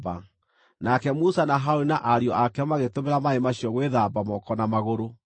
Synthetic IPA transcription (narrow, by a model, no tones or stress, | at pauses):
ba | nakɛmusanaɦaoɾinaʔaɾiɔʔakɛmaɣetomeɾamaemaɕiɔɣweðabamɔkɔnamaɣoɾo